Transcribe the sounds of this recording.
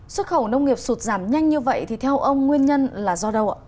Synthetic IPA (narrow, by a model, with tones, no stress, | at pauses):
swə˦˥t̚xə˧˩wnə˧wŋ͡mŋi˨˩əp̚su˨˩t̚zaː˧˩mɲa˧jŋ̟ɲɨ˧və̰˧˨jt̪ʰi˨˩t̪ʰɛ˧wʔə˧wŋ͡mŋwi˧ənɲə˧nlaː˨˩zɔ˧ɗə˧wʔ